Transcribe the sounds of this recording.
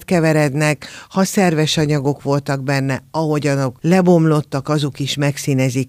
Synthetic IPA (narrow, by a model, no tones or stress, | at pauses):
t̪kɛvɛɾɛd̪nɛkhɒsɛrvɛʃɒɲɒɡo̞kʋo̞lt̪ɒɡbɛnːɛɒɦo̞ɟɒno̞klɛbo̞mlo̞t̪ːɒkɒzokiʃmɛksiːnɛzik